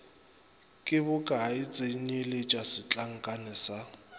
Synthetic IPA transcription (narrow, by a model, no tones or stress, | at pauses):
kʼɪbʊkʼaɪt͡sʼeɲelɪt͡ʃʼasɪt͡ɬʼaŋ̩kʼanɪsa